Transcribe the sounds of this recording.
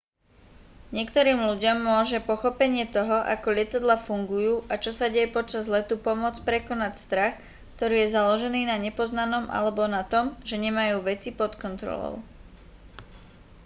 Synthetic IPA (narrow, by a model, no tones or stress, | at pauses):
ɲɪɛkt̪ɔɾiːmluɟɔmːʊɔʒɛpɔxɔpɛɲɪɛt̪ɔɦɔʔakɔʎɪɛt̪ad̪lafuŋɡujuːʔat͡ʃɔsaɟɛjɛpɔt͡ʃazlɛt̪upɔmʊɔt͡spɾɛkɔnacst̪ɾax | kt̪ɔɾiːjɛzalɔʒɛniːnaɲɛpɔznanɔmʔa̰lɛbɔnat̪ɔmʒɛɲɛmajuːʋɛt͡sipɔt̪kɔnt̪ɾɔ̰lɔ̰ʊ